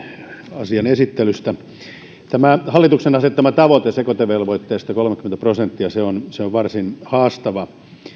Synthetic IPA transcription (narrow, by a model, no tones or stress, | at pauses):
ɑsiɑnesit̪ːelyst̪æ | t̪æmæhɑlːit̪uksenɑset̪ːɑmɑt̪ɑʋot̪esekot̪eʋelʋoit̪ːeːst̪ɑkolmekːˑyment̪æprosent̪ːiɑseonseoʋʋɑrsinhɑːst̪ɑʋɑ